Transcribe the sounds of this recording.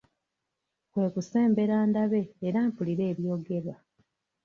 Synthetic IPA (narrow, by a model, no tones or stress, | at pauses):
kwe̞ːkuse̞ːmbe̞ɾaːndaβe̞ːɾaːmpuliɾe̞ːβjo̞ːɡe̞ɾwa